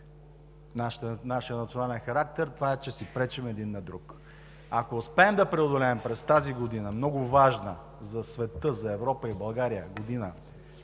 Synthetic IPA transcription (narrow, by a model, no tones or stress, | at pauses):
nanaʃjənɐt̪sionalɛnxɐɾak̚t̪ɛɾt̪ovaɛt͡ʃɛsipɾɛt͡ʃɛmɛd̪inːɐd̪ɾuk | akoːspɛːmd̪ɐpɾɛod̪olɛːmpɾɛst̪aziɡod̪inəmnɔɡʊvaʒnə | zɐsvɛt̪ɤzɐɛvɾɔpəibɐlˠɡaɾijəɡod̪inə